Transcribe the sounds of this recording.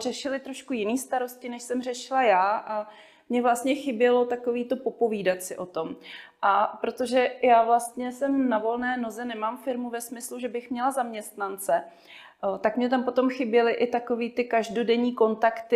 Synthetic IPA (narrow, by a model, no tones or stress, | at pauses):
r̝ɛʃɪlɪt̪ɾo̞ʃkujɪniːst̪aɾo̞scɪnɛʃsɛmrɛʃɪlajaːʔa | mɲɛvlast̪ɲɛxɪbjɛlo̞t̪ako̞viːt̪o̞po̞po̞viːdat͡sɪʔo̞t̪o̞mʔapɾo̞t̪o̞ʒɛjaːvlast̪ɲɛsɛmnavo̞lnɛːno̞zɛnɛmaːmfɪɾmuvɛsmɪsluʒɛbɪxmɲɛlazamɲɛst̪nant͡sɛ | t̪akmɲɛt̪̬ampo̞t̪o̞mxɪbjɛlɪʔɪt̪ako̞viːt̪ɪkaʒdodɛɲiːko̞nt̪akt̪ɪ